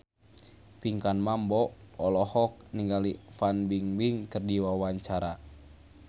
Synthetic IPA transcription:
piŋkanmambɔɔlɔhɔk̚niŋɡalifanbiŋbiŋkərdiwawaɲt͡ʃaɾa

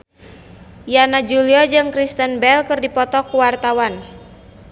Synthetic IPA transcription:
janad͡ʒuliɔd͡ʒɨŋkɾist̪ənbɛlkɨrdipɔt̪ɔkuwart̪awan

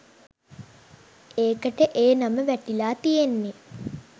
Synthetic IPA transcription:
eːkəʈəʔeːnaməʋæʈilaːt̪ijenːe

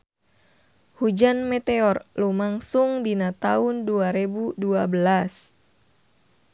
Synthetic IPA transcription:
hud͡ʒanmɛt̪eɔrlumaŋsuŋdinat̪aunduaɾebuduabəlas

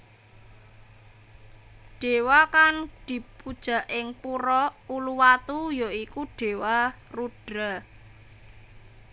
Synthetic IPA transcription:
ɖ̥e̤wakaŋd̪̥i̤pud̥ʒ̥a̤ʔɪŋpuɾɔuluwat̪ujoikuɖ̥e̤wa | ruɖ̥ɾa

